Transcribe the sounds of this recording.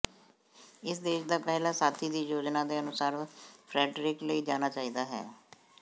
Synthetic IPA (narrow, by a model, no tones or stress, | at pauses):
ɪsd̪eːʃd̪aːpɛːlaːsaːt̪ʰiːd̪iːjoːd͡ʒnaːd̪eːənʊsaːɾpʰɾɛːɖɾɪkləiːd͡ʒaːnaːt͡ʃaːiːd̪aːɦɛ̰ː